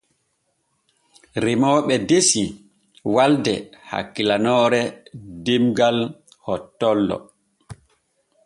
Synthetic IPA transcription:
ɾimɔːɓɛdesi | waldɛha̰kːilanɔːɾɛdimɡal | hɔtːɔlːɔ̰

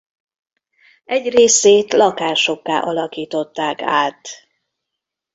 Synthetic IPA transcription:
ɛɟreːseːt̪lɒkaːʃo̞kːa̰ːʔɒlɒkiːt̪o̞t̪ːaːka̰ːt̪

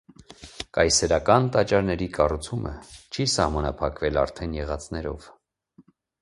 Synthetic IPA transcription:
kɑjsɛɾɑkɑnt̪ɑt͡ʃɑɾnɛɾikɑrut͡sʰumʔə̰t͡ʃʰisɑhmɑnɑpʰɑkvɛlɑ̰ɾt̪ʰɛnjɛʁɑt͡snɛɾɔ̰v

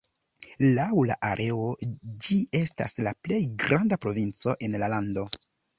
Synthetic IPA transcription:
lawla̰ʔaɾʔe̞od͡ʒie̞sta̰slaple̞jɡɾʔandapɾo̞vint͡so̞ʔe̞nlalando̞

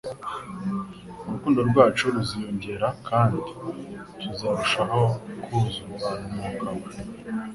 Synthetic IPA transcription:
uɾukuːndo̞ɾɡwaːt͡ʃoɾuzijo̞ɲɟe̞ɾakʰaːndiɾuzaɾuʃaho̞kuzuɾuβanumuːkawe

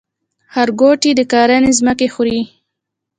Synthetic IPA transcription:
haɾɡoʈid̪əkɑɾanezməkexɾi

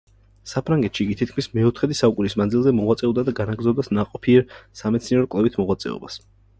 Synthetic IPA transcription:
sapʰɾaŋɡɛt̪ʃiɡit̪ʰit̪̚kʰmismɛɔt̪ʰχɛd̪isaukʼunismand̪zilˠzɛmɔʁwat̪sʼɛɔbd̪ad̪aɡanaɡɾd̪zɔbd̪asnaqʼɔpʰiɛɾsamɛt̪sniɛɾɔkʼlˠɛvit̪ʰmɔʁwat̪sʼɛ̰ɔ̰bas

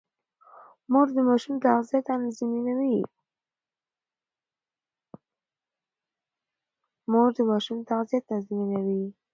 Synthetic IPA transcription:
moɾd̪əmɑʃumt̪aɣzijat̪anzminawi | moɾd̪əmɑʃumt̪aɣzijat̪ːanzminawi

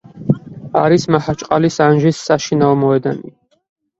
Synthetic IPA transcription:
aɾismahat͡ʃʼqʼalisanʒisːaʃinaɔmɔɛd̪ani

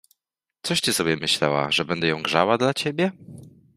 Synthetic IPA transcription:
t̪sɔʂt͡ɕɛsɔbʲjɛmɘɕlɛ̰wa̰ʐɛbɛnd̪ɛjɔ̃w̃ɡʐa̰wad̪lat͡ɕeɛbʲjɛ

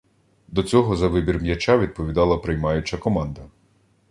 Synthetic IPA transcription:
d̪ɔt͡sʲɔɦɔzɐʋɪbʲirmjɐt͡ʃaʋʲid̪̚pɔʋʲid̪ɑlˠɐpɾɪjmɑjʊt͡ʃɐkɔmɑnd̪ɐ

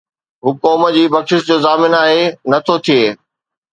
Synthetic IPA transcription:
ɦʊkoːmə̆d͡ʑiːbɐkʃɪʃd͡ʑoːzaːmɪnaːɦenɐt̪ʰot̪ʰieː

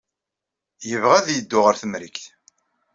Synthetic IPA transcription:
jəvʁæðjəd̪ːʊʁəɾθəmɾikθ

